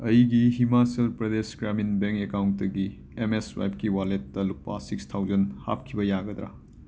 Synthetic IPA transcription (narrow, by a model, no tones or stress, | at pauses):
ɐjɡiɦimaselpɾɐdesɡɾaminbeŋkekawnt̚tɐɡi | emeswa̰jp̚kiwaletːɐlupːa̰sikstʰawd͡ʒɐnha̰p̚kʰibɐjaɡɐd̪ɾa̰